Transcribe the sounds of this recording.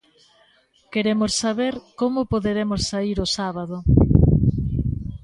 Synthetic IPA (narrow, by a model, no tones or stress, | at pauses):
keɾemʊsːaβeɾkomʊpoðeɾemʊssaiɾʊsaβaðʊ